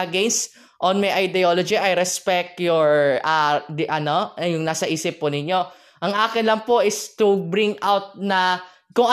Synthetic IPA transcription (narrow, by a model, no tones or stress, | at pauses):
ʔɐɡɛnst̪ | ʔonmɐjʔɐjd̪ɛolod͡ʒiʔɐjɾɛspɛk̚t̪jɔɹad̪ʔɐnojʊŋnaːsɐʔiːsɪpːʊnɪɲːo̞ | ʔɐŋʔaːkɪnlɐŋpoʔɪst̪ʊbɾɪŋʔawt̪̚nɐ | kʊŋʔɐ